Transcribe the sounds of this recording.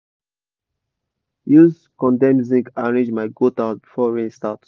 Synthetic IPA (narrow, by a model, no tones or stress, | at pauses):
juz | kɔ̃ndɛ̃mzĩŋkaɹẽd͡ʒmaɪɡotabifɔɹẽstat